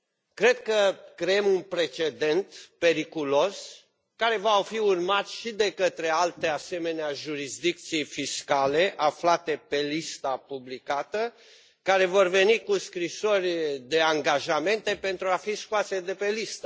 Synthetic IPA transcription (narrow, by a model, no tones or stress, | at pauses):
kɾe̞d̪̚kəkɾejemunpɾe̞t͡ʃe̞d̪e̞nt̪pe̞ɾikulo̞s | kaɾe̞vaofiurmat̪sʃid̪e̞kət̪ɾe̞alt̪e̞ase̞me̞neaʒuɾisd̪ik̚t̪sijfiskale̞ʔaflat̪e̞pe̞list̪apublikat̪ə | kaɾe̞vo̞rve̞nikuskɾiso̞rʲd̪e̞aŋɡaʒame̞nt̪e̞pe̞nt̪ɾuafiskuase̞d̪e̞pe̞list̪a